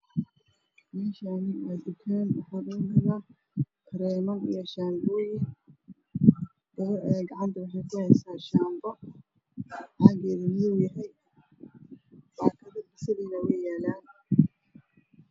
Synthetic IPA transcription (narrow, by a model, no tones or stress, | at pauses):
mɛːʃaːnɪad̪ʊkʰanwɑħaːɡʊnɐɣa | kʰɾɛːmɐnḭjɔʃaːmbɔːjɪŋ | d̪̥ɐɣɐɾɛːɡɑʕɑnt̪ʰɐwɑħɑjkʰʊhɛjsaːʃaːmbɔ | ħaːɡɛːðɐmɪjowjɐɦɛj | baːkʰɐðɐbɪsɐðiːnɐwɛjaːlaːn